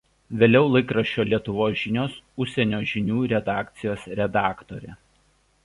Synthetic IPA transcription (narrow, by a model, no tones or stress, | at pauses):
ʋʲeːlʲɛʊlˠɐɪkɾɐʃʲt͡ʃʲoːlʲiɛt̪ʊʋoːsʒʲɪnʲoːsʊʃʲsʲɛnʲoːʒʲɪnʲuːɾʲɛd̪ɑːkt̪sʲɪjoːsɾʲɛd̪ɑːkt̪oːɾʲɛ